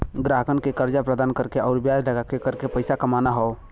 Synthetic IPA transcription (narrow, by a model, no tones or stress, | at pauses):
ɡɾaɦkənkekəɾd͡ʒapɾəd̪aːnkəɾkeɔːɾbjad͡ʒləɡakekəɾkepəɪsakəmanaɦɔo